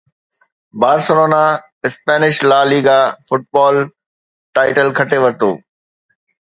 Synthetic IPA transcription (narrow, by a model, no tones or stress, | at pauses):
baːɾsəɾoːna | ɪspɛːnɪʃlaːliːɡaːfʊʈ̚bɔːl | ʈaːɪʈəlkʰɐʈeʋɐɾt̪o̰ː